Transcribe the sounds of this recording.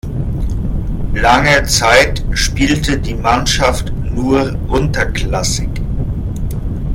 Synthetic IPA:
laŋət͡saɪtʃpiːltədiːmanʃaft | nuːɐ | ʔʊntɐklasɪk

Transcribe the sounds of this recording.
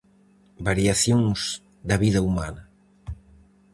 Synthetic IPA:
baɾiaθjoŋz | d̪ɐβiðɐuma̰nɐ

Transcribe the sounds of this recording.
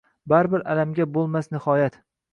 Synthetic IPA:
baɾbɪɾalamɡʲabolˠmasnɪhɒjat̪

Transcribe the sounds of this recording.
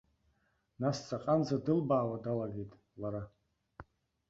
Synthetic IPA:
nast͡sʰʼaqʼanzadɨlbaːwadalaɡejtʼ | laɾa

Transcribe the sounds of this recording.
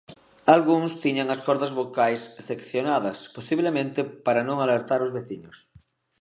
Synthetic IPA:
alɣuŋst̪iɲaŋɐskɔɾðɐzβokajsːekθjonaðɐsposiβ̞lemẽnt̪epaɾanõŋaleɾt̪aɾozβeθiɲos

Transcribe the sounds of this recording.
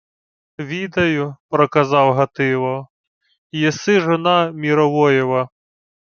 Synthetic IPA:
ʋʲid̪ɐjʊpɾɔkɐzɑwɦɐt̪ɪʋˠɔ | jɛsɪʒɔnɑmʲiɾɔʋɔjɛʋɐ

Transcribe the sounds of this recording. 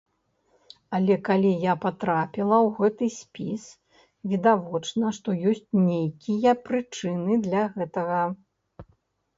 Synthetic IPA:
ɐlʲɛkalʲijapat̪ɾapʲilˠɐwɣɛt̪ɨsʲpʲis | vʲid̪avɔt͡ʂnɐʂt̪ɔjɔsʲt͡sʲnʲejkʲijɐpɾɨt͡ʂɨnɨd̪lʲɐɣɛt̪ɐɣɐ

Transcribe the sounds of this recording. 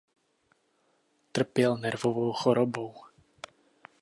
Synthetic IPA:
t̪r̩pɪjɛlnɛɾvɔvɔwxɔɾɔbɔw

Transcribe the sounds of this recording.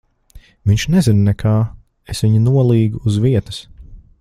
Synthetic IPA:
viɲʃnɛzinnɛkʰaː | esʋiɲinuɔlˠiːɡuːzviɛt̪ɐ̥s

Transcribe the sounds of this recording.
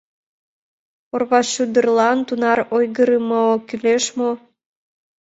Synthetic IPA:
orβɑɕud̪ərlˠɑnt̪unɑɾojɣəɾɯmokyleʃmo

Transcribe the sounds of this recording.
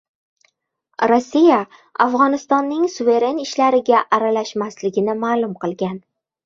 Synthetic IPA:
ɾosʲːija | a̰fʁɒnɪst̪ɒnːɪŋsuve̞ɾe̞nɪʃlaɾɪɡʲaʔaɾalaʃmaslɪɡʲɪnɪmaːlˠʊmqʰɨlˠɡʲan

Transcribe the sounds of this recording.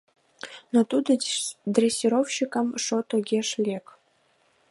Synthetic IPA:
not̪ud̪ɤ̆d̪rʲesʲːiɾowɕikɑ̆mʂot̪oɡʲeʂlʲek

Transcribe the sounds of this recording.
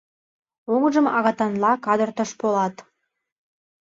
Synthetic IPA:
oŋʒəmɑ̰ɣɑt̪ɑnlˠɑkɑd̪rt̪əʃbolˠɑt̪

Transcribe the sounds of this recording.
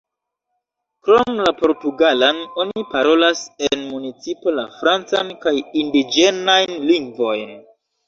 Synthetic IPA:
kɾo̞mlapo̞ɾtuɡalano̞nipaɾo̞lasenmunit͡sipo̞lafɾant͡sankajindid͡ʒe̞najnliŋɡvo̞jn

